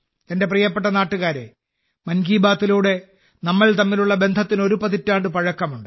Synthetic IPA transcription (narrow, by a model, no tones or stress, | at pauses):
t̪ɐnde̞prijɐpːe̞ʈːɐnaːʈːuɣaːɾe̞̰ | mɐnɡiːbaːt̪ːiluːɽe̞ | nɐmːɐɭt̪ɐmːiluɭːɐbe̞nd̪ʱɐt̪ːino̞ɾupɐðitːaːɳɖɨpɐɻɐkːɐmuɳɖɨ